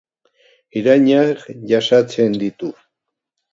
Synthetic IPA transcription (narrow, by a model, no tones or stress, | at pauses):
iɾaɲaχjaʃat͡send̪it̪u